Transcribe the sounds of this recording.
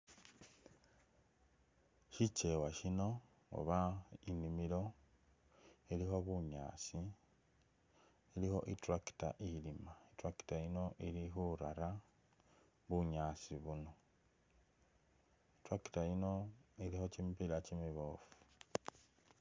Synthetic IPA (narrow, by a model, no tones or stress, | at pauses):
ʃit͡ʃe̞waʃino̞ | o̰βainimiɾo̞ | ilixo̞βuɲa̰ːsi | ilixo̞̰ʔitɾaki̥ta̰ʔilimaitɾaki̥taino̞ʔiɾixuɾa̰ɾa | βuɲaːsiβuno̞ | itɾaki̥tajino̞iɾixo̞cimipilacimiβofu̥